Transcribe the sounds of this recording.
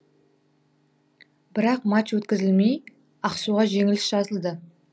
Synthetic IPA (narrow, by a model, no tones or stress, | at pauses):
bɪɾɑqmat͡ʃwɵt̪kʲɪzɪlmej | ɑqsuʁɑʒe̞ŋɪlɪsʒ̥ɑzəlˠd̪ə